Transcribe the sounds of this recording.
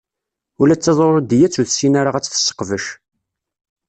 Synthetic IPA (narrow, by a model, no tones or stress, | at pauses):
ulæt͡sːɑzˤoɾˤd̪jæt͡sːuθsinaɾaʁæt͡sːθə̥sːə̥qːvəʃ